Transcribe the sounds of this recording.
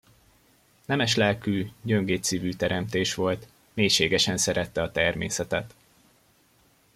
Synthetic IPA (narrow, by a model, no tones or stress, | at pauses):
nɛmɛʃlɛlkyːɟø̞ŋɡeːt̪siːvyːt̪ɛɾɛmt̪eːʃʋo̞lt̪ | meːjʃeːɡɛʃɛnsɛɾɛt̪ːɛɒt̪ɛrmḛːsɛt̪ɛt̪